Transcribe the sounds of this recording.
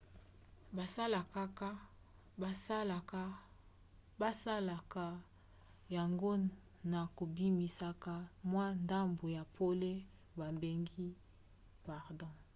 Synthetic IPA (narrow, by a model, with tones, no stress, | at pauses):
ba˨sa˦la˨ka˦ka˦ | a˨˦la˨ka˦ | ba˦sa˦la˨ka˨ | ja˨ŋɡo˦ | na˨ko˨bi˦mi˨sa˨ka˦mwa˦nda˦mbo˨ja˨pʰo˦le˦ | ba˨mbe˨ŋɡi˦ | pa˨ʁdɔ̃˦˨